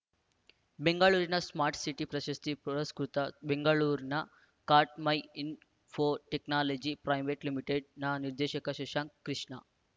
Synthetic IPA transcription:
beŋɡɐɭuːɾinɐsmaːɾʈsiʈipɾɐʃɐst̪iɐskɾut̪ɐbeŋɡɐɭuːɾnɐ | kaːɾʈmɐjin | pʰoːʈeknaːlɐd͡ʒipɾɐjʋeʈlimiʈeɖnaːniɾd̪ɛːʃɐkɐʃɛʂaːŋkɾiʂɳɐ

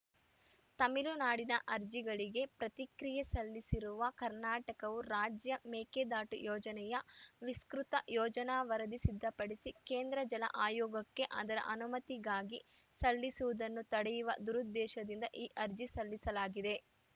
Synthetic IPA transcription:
t̪ɐmilunaːɽinɐʔɐɾd͡ʒiɡɐɭiɡe̞pɾɐt̪ikɾijesɐlːisiɾuʋɐkɐɾnaːʈɐkɐʋuɾaːd͡ʒjɐmeːked̪aːʈujɔːd͡ʒɐnɛjɐʋiskɾut̪ɐjɔːd͡ʒɐnaʋɐɾɐd̪isid̪ʱːɐpɐɽisikeːnd̪ɾɐd͡ʒɐlɐ̰ʔaːjɔːɡɐkːe̞ʔa̰ːd̪ɐɾɐ̰ʔɐnumɐt̪iɡaːɡisɐlːisuʋud̪ɐnːut̪ɐɽɛjuʋɐ̰d̪uɾud̪ːɛːʃɐd̪ind̪ɐʔiːʔɐɾd͡ʒisɐlːisɐlaːɡid̪e̞

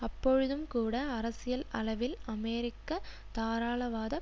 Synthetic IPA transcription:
ɐpːɔɻɯðɯmkuːɽɐɐɾɐsɪjɐlɐlɐʋɪlɐmeːɾɪkːɐ | t̪aːɾaːɭɐʋaːðɐ

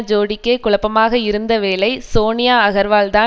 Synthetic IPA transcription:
d͡ʒoːɽɪkːeːkʊɭɐpːɐmaːɣɐɪɾɯnd̪ɐʋeːlɐɪsoːnɪjaːɐɣɐɾʋaːlt̪aː

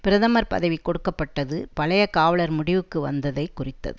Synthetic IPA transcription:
pɪɾɐðɐmɐɾpɐ̰ðɐʋikːɔɽɯkːɐpːɐʈːɐðɯpɐɭɐjɐkaːʋɐɭɐɾmʊɽɪʋɯkːɯʋɐ̰nd̪ɐðɐɪkːʊrɪt̪ːɐ̰ðɯ

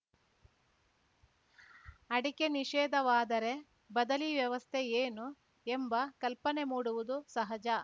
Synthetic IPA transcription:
ɐɽike̞niʂɛːd̪ɐʋaːd̪ɐɾe̞ | bɐd̪ɐliʋjɐʋɐst̪ʰeeːnu | embɐkɐlpɐne̞muːɽuʋud̪usɐɦɐd͡ʒɐ

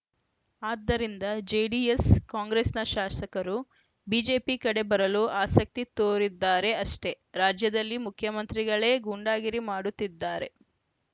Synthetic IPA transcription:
aːd̪ːɐɾind̪ɐd͡ʒejɖijeskaːŋɡɾesnɐʃaːsɐkɐɾu | biːd͡ʒe̞ːpikɐɽe̞bɐɾɐluʔaːsɐk̚t̪it̪oːɾid̪ːaːɾe̞ɐʂʈe̞ | ɾaːd͡ʒjɐd̪ɐlːimukʰjɐmɐnt̪ɾiɡɐɭe̞ːɡuɳɖaːɡiɾimaːɽut̪ːid̪ːaːɾe̞

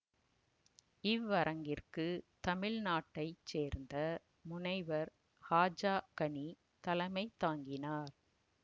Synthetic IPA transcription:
ɪʋːɐɾɐŋɡɪrkɯt̪ɐmɪɻnaːʈːɐɪt͡ʃːeːɾnd̪ɐ | mʊnɐɪʋɐɾ | haːd͡ʒaːkɐɳi | t̪ɐlɐmɐɪt̪ːaːŋɡɪnaːɾ

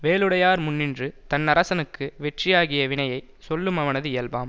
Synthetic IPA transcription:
ʋeːlɯɽɐjaːɾmʊnːɪndrɯt̪ɐnːɐɾɐsɐnɯkːɯʋɛʈrɪjaːɣɪjɐʋɪɳɐjɐɪ | sɔlːɯmɐʋɐnɐðɯɪjɐlbaːm

